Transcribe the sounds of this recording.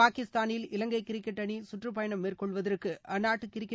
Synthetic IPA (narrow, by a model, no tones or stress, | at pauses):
aːkɪst̪aːnɪlɪlɐŋɡɐɪkːɪɾɪkːɛʈːɐɳisʊʈrɯpɐjɐɳɐmːeːrkɔɭʋɐðɐrkɯʔɐnːaːʈːɯkɪɾɪkː